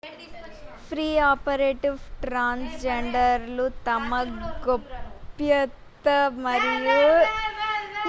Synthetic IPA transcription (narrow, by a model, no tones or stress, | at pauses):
pʰɾiːaːpɐɾeːʈiʋʈɾaːnsd͡ʒeɳɖɐɾlut̪ɐmɐɡopːjɐt̪ːɐmɐɾiju